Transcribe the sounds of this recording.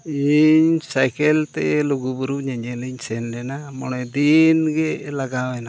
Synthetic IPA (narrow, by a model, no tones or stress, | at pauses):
iɲsajkɛlt̪ɛluɡubuɾuɲaɲɛliɲsɛnlɛnamɔnɔjd̪inɡɛlaɡawɛna